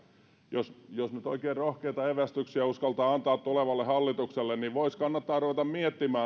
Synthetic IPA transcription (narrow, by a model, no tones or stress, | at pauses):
josjosnyt̪o̰ikeːrrohkeit̪ɑeʋæst̪yksiæuskɑlt̪ɑːɑnt̪ɑːt̪t̪uleʋɑlːehɑlːit̪ukselːenniʋʋoiskɑnːɑt̪ːɑːruʋet̪ɑmmiet̪ːimæː